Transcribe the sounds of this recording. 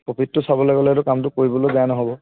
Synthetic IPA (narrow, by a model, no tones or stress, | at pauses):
pɔpʰitːʊsabɔlaɡɔlɛɾʊkamtʊkoɹibɔlozaanɔɦɔbɔ